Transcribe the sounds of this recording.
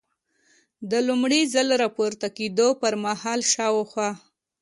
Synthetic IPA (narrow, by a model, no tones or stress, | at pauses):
d̪əlumɽizəlɾɑpuɾt̪aked̪opəɾmahɑlʃɑwxwɑ